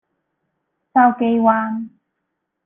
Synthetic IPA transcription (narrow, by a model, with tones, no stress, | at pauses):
saː˧wke˨˧jwaː˧n